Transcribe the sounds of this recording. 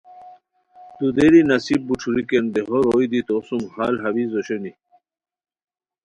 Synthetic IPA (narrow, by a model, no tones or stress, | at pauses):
d̪̥ud̪eɾinɐsib̚buʈ͡ʂʰuɾikend̪eɦoɾojd̪it̪osumha̰ːlɦɐβizoɕeni